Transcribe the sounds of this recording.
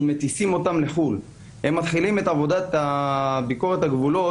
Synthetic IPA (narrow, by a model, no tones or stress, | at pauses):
me̞t̪isimo̞t̪amle̞χul | hemːat̪χilime̞t̪avo̞dat̪abiko̞ʁet̪haɡvulo̞